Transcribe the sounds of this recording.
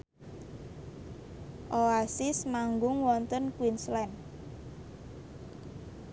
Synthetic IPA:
ʔoasɪsmaŋɡʊŋwɔnt̪ənkwinslɛn

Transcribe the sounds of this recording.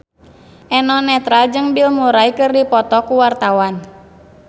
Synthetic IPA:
ʔɛnɔnɛt̪ɾald͡ʒɨŋbilmuɾajkɨrdipɔt̪ɔkuwart̪awan

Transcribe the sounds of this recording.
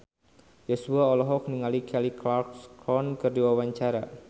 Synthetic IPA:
jɔsuaɔlɔɦɔk̚niŋalikʰɛliklarkskɾɔnkɨrdiwawaɲt͡ʃaɾa

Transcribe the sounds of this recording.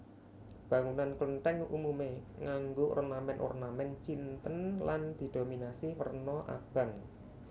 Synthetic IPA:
b̥a̤ŋunankləɳʈɛŋṵmumeŋaŋɡoʔɔ̰rnamɛnʔɔ̰rnamɛnt͡ʃint̪ənland̪̥i̤d̪̥o̤minasiwərnɔʔa̰b̥ä̤ŋ

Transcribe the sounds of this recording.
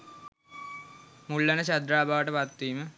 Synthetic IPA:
mulːanəɕad̪ɾaːbaːʋəʈəpat̪ːiːmə

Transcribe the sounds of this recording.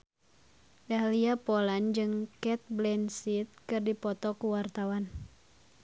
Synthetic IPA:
ɡaliapɔland͡ʒɨŋkɛt̪̚blɛnsit̪̚kɨrdipɔt̪ɔkuwart̪awan

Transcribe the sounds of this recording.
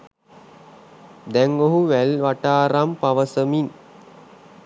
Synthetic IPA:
d̪ɛŋoɦuʋælʋaʈaːɾampaʋəsəmin

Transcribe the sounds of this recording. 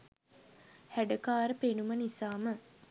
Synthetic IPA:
hæɖəkaːɾəpenumənisaːmə

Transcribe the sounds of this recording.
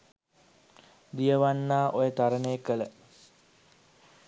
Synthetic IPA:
d̪ijəʋanːaːʔojət̪aɾənejəkələ

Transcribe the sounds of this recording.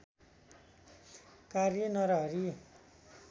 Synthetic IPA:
karjʌnʌɾʌɦʌɾi

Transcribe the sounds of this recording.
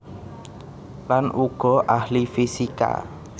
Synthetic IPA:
lanʔuɡ̥ɔ̤ʔahlifisika̰

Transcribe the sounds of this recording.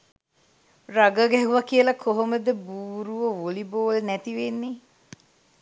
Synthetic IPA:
raɡəɡɛɦuʋɐkiəlɐkʰoɦoməd̪əbuːɾuʋoʋoliboːlnæt̪iʋenːe

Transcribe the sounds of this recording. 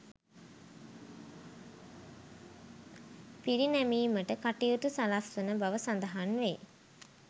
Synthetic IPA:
piɾinæmiːməʈəkaʈiutusalasʋunəbaʋəsand̪əɦanʋe

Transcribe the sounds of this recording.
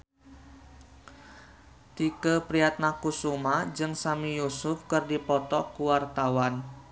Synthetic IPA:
t̪ikəpɾiat̪̚nakusumad͡ʒɨŋsamijusʊfkɨrdipɔt̪ɔkuwart̪awan

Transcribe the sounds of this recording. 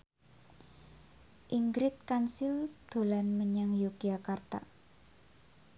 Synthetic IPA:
ʔiŋɡɾɪt̪̚kansɪld̪̥o̤lanməɲaŋjokiakart̪a̰

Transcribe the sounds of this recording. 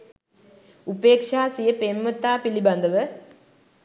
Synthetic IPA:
upeːkʂaːsijəpemːət̪aːpiliband̪əʋə

